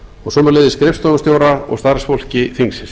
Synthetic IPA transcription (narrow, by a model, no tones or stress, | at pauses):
ɔɣsɔːmalejðɪskɾɪfst̪ɔmast̪joːwɾaɔ̰ɣst̪aɾsfol̥cɪθiŋsɪ